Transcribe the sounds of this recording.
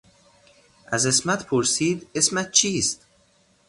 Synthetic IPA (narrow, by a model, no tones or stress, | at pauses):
ʔæzesmæt̪pʰoɾsiːd̪esmæt̪̚t͡ʃʰiːst̪̚